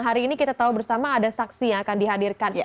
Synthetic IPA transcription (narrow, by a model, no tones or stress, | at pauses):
ŋɦaɾiːnikit̪at̪aubərsamaːdasaksijaŋakandiɦadirkan